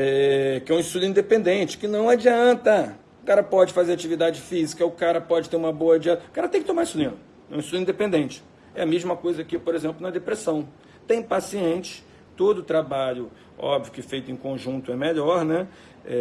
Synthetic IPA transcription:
ɛkɪɛũĩʃt̪ud̪uĩd̪epẽnd̪ẽnt͡ʃɪ̥kɪnɐ̃w̃ad͡ʒiɐ̃nt̪ɐ | ʊkaɾɐpɔd͡ʒɪfazeɾat͡ʃivid̪ad͡ʒɪfizikɐʊkaɾɐpɔd͡ʒɪt̪eɾũmɐboɐad͡ʒiɐ̃t̪ɐkaɾɐt̪ẽkɪt̪omaɾisʊnĩnʊ | ɛũiʃt̪ud̪ĩd̪epẽnd̪ẽnt͡ʃɪ̥ | ɛɐmeʒmɐkojzɐkɪpoɾezẽmplʊnɐ̃ɛd̪epɾesɐ̃w̃ | t̪ẽj̃pasiẽt͡ʃɪ̥ | t̪od̪ʊt̪ɾabaʎʊ | ɔ̰bvjʊkɪfejt̪ʊẽj̃kõʒũt̪ʊɛmeʎɔɾnɛ | ɛ

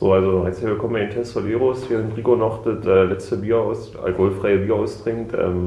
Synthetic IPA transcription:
z̥o̰ːalzoɛshivbəkʰɔmɪntʰɛstfɔnʔeːʁosveːʁənʁiːɡonɔχd̥ətʔɛːlɛt͡stəbiːɐʔaʊs | ʔa̰lkohʊlfʁ̥aɪəbiːɐaʊsd̥ʁ̥ɪŋtʔɛ̰ːm

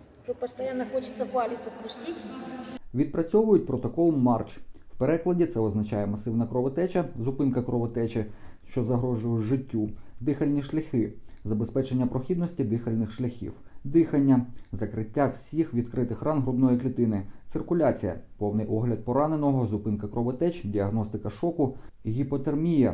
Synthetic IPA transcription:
t͡ʃɔpɔst̪ɐjanːɐxɔt͡ʃɪ̥sʲɐpɑlʲɪtʲt͡sʲɐpʊsʲtʲitʲʋʲid̪pɾɐt͡sʲɔʋʊjʊt̚ʲpɾɔt̪ɔkɔlˠmɑrt͡ʃwpeɾɛklˠɐdʲit̪sɛɔznɐt͡ʃɑjɛmɐsɪwnɐkɾɔʋɔt̪ɛt͡ʃɐzʊpɪnkɐkɾɔʋɔt̪ɛt͡ʃɪʃt͡ʃɔzɐɦɾɔʒʊjʊʒɪtʲːud̪ɪxɐlʲnʲiʃlʲɐxɪzɐbespɛt͡ʃenʲːɐpɾɔxʲid̪nɔsʲtʲid̪ɪxɐlʲnɪxʃlʲɐxʲḭwd̪ɪxɐnʲːɐzɐkɾɪtʲːawsʲixʋʲid̪kɾɪt̪ɪxrɑnɦɾʊbnɔjiklʲit̪ɪnɪsɪrkʊlʲat͡sʲijɐ̰pɔwnɪjʔɔɦlʲɐd̪̚pɔɾɑnenɔɦɔzʊpɪnkɐkɾɔʋɔt̪ɛt͡ʃdʲiɐɦnɔst̪ɪkɐʃɔkʊɦʲipɔt̪ermʲijɐ̰

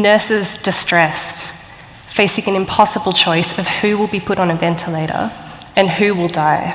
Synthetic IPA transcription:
nɜˑ˞sɪzdɨstɹ̥ɛst | feɪsɪ̃ŋɨ̃nɨ̃mpʰɑsəbəl̩ˠt͡ʃʰɔɪsʌv̥hʉwɪlˠbipʰʊɾn̩ɨvɛ̃ntʰəleɪɾə̰˞ | ɨ̃nhʉwɪlˠdaɪ

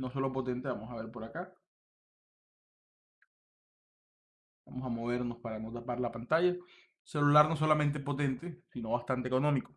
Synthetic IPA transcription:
no̞so̞lo̞po̞t̪e̞nt̪e̞βamo̞saβe̞ɾpo̞ɾaka | bamo̞samo̞β̞e̞ɾno̞spaɾano̞t̪apaɾlapant̪aʝa | se̞lulaɾno̞s̬o̞lament̪̬e̞po̞t̪e̞nt̪esino̞βast̪ant̪eko̞nõ̞miko

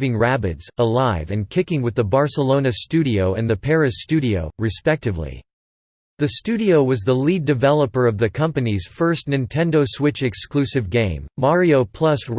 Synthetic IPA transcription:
vɪ̃ŋɹæbɨdz̥əlaɪvɨ̃nkʰɪkɪ̃ŋwɨðəbɑɹsəlõʊ̃nɨstʉɾioʊɨ̰̃nðɨpʰɛɹɨstʉɾioʊɹɨspɛk̚tɨvlḭ | ðɨstʉɾioʊwʌzðəlidɨvɛlˠəpə˞ʌvðɨkʰʌ̃mpɨniz̥fɜ˞stⁿnɨ̃ntʰɛ̃ndoʊswɪt͡ʃɨksklʉsɨvɡẽɪ̃mːɑɹioʊpʰl̥ʌs

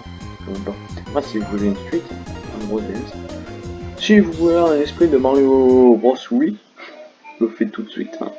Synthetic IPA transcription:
ɔ̰̃baku̥t̪eʁasivuvulensɥit̪ã̰bʁɔd̪ɛz | sivuvuleɛ̃nɛspχid̪əmaʁjobʁɔswi | ləfɛt̪ut̪sɥḭt̪ʰɛ̰̃

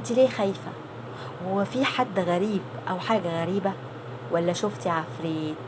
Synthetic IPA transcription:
t̪ileːxæjfæ | wefiːħad̪ːɣæɾiːb | ʔæwħaːɡæɣæɾiːbæ | wʔælːæʃoft̪iʕafɾeːt̪

